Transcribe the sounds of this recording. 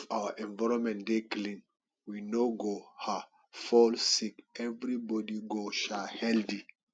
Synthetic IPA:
fawaʔɛ̃ɱvaɹɔ̃nmɛ̃ndeklĩn | winoɡoha | fɔlsikɛvɹibɔdiɡoʃahɛldi

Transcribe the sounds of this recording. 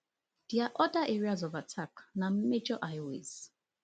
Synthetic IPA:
dɛaʔɔdaʔɛɹiazɔvatʰaknãmed͡ʒɔʔajowḛz̥

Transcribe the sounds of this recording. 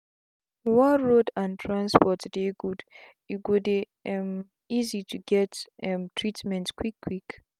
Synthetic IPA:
waɹodãntʰɹãnspɔtdeɡud | juɡude | m | izituɡɛttʰɹitmɛ̃ntskwikʰːwik

